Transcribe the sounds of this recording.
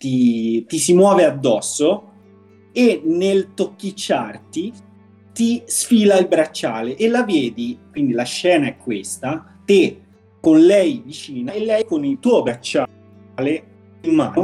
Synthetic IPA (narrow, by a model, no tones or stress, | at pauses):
t̪it̪isimwɔːvead̪ːɔsːo | enelt̪okːit͡ʃːart̪i | t̪isfiːlailbɾat͡ʃːaːleʔelːavjɛːd̪ikwind̪ilaʃːɛːnaɛkːwest̪a | t̪e | kːonlɛjvit͡ʃiːnaelːɛjkonilt̪uːobɾat͡ʃːa | le | imːaːn